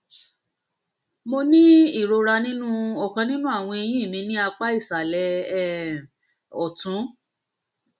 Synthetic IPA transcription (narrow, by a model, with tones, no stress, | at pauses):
mo˧nĩ˦i˦˨ɾo˧ɾa˧nĩ˦nũ˦ɔ˨kã˧nĩ˦nũ˦a˦˨w̃ɔ̃˧e˧jĩ˦i˦˨mĩ˧nĩ˦a˧k͡pa˦i˦˨sa˨lɛ˨˦˨ | ɔ˨tũ˨˦